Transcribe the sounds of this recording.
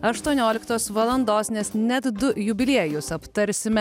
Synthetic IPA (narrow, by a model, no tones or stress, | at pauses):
ɐʃt̪uɔnʲoːlʲɪkt̪oːsʋɐlˠɐnd̪oːsnʲɛsnʲɛt̪d̪ʊjʊbʲɪlʲeɛjʊsɐpt̪ɐɾʲsʲɪmʲɛ